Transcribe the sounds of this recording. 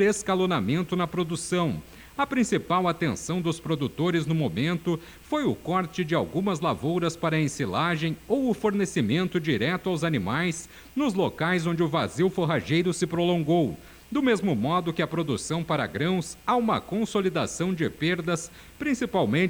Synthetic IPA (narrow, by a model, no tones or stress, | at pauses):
deskalonamẽnt̪ʊnɐpɾod̪usɐ̃w̃ | ɐpɾĩsipawat̪ẽsɐ̃w̃d̪ʊspɾod̪ut̪oɾɪznʊmomẽnt̪ʊ | fojʊkɔɾt͡ʃɪd͡ʒɪa̰wɡũmɐzlavowɾɐspaɾɐẽsilaʒẽj̃owʊfoɾnesimẽnt̪ʊd͡ʒiɾɛt̪ʊawzanimajs | nʊzlokajzõnd͡ʒɪʊva̰ziwfoɦaʒejɾʊsɪpɾolõɡow | d̪ʊmezmʊmɔd̪ʊkɪɐpɾod̪usɐ̃w̃paɾɐ̰ɡɾɐ̃w̃saũmɐ̰kõsolid̪a̰sɐ̃w̃d͡ʒɪpeɾd̪ɐs | pɾĩsipawmẽ